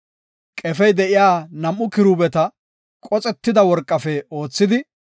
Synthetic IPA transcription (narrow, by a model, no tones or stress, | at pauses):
kʼɛfɛjd̪ɛʔɪjaːnɐmʔʊkɪɾubɛt̪ɐ | kʼɔt͡sʼɛt̪ːɪd̪ɐwɔɾkʼːɐfɛo̞ːt͡sːɪd̪ɪ